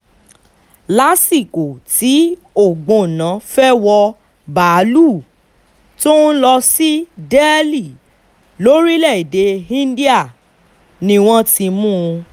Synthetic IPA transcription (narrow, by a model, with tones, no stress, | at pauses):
la˦si˦˨ko˨ti˨˦ | o˦˨ɡ͡bõ˨nã˨˦fɛ˦wɔ˧ | ba˨˦lu˦˨ | to˦n̩˦lɔ˧si˦dɛ˦li˦˨ | lo˨˦ɾi˦lɛ˦˨i˨de˨˦ĩ˦n˦di˦a˦˨ | nĩ˧w̃ɔ̃˦ti˧mũ˦˧